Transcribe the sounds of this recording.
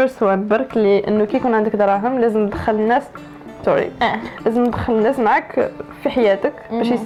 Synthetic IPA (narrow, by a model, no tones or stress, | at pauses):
əɾswænbɑɾˤkliʔə̰nːukæjkunʕənd̪əkd̪ɾˤɑɦəmlæzəmd̪xːələnːæs | t̪uɾḭlæzəməd̪xələnːæsmaʕakfiħajæt̪əkbæʃjəs